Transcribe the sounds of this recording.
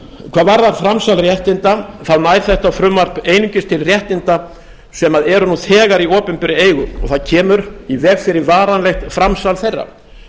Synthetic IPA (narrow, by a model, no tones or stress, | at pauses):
kʰvaːðvaɾðaɾfɾamsalrjɛht̪ɪnt̪aθaðnajɾ̥θɛht̪afɾʏmvar̥peːjniɲcɪst̪ʰɪlrjɛht̪ɪnt̪a | sɛmaðɛɾʏnuθʰɛːɣaɾiɔːpɪmpɪɾɪeːjɣʏɔ̰θaðcʰɛːmʏɾivɛːɣfɪɾɪɾvaːɾanlɛxt̪fɾamsalθejrːa̰